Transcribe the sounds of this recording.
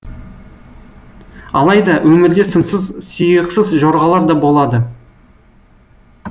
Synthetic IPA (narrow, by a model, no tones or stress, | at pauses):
ɑlˠɑjd̪ɑwʔɵmɪɾd̪esənsəzsijəqsəzʒoɾʁɑlˠɑɾd̪ɑbo̞lˠɑd̪ə